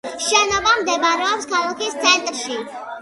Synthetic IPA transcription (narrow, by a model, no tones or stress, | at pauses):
ʃɛnɔvamd̪ɛbaɾɔɔpskʰalɔkʰist̪ʰɛnt̪ʼɾʃi